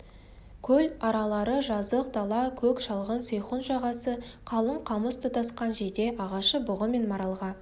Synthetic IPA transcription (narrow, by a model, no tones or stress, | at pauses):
kʲʰɵlɑɾɑlˠɑɾəʒɑzəq̚d̪ɑlˠɑkʲʰɵkʃɑlˠʁənsejχonʒɑʁɑsəqʰɑlˠəɴqʰɑməst̪ʰət̪ʰɑsqɑnʒed̪e̞ʔɑʁɑʃəbʊʁəme̞nmɑɾɑlˠʁɑ